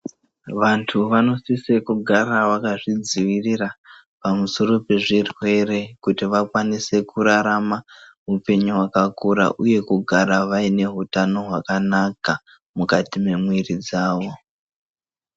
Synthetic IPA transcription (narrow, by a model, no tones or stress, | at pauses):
ʋantʰuʋano̞sisekuɡʱaɾaʋakaʐid͡ziʋirira | pamuso̞ɾo̞pe̞ʐirwe̞ɾekutiʋakwanise̞kuɾaɾamamupe̞ɲuwakakuɾa̰ʔuje̞kuɡʱaɾaʋaine̞ɦutano̞ɦwakanaka | mukatime̞mwirid͡zaːʋo̞